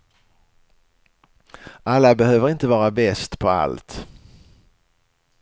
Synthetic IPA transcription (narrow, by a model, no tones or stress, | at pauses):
ʔalːabɛhøːvəɾɪnt̪əvɑːɾabɛst̪pʰɔa̰lt̪